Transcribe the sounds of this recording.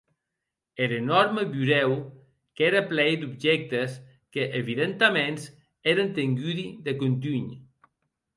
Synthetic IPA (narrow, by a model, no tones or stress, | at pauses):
eɾenɔɾməβuɾɛw | keɾaplɛjd̪ubʒɛk̚t̪əs | kəʔeβiðent̪amens | eɾənt̪eŋɡyðiðəkunt̪̬yɲ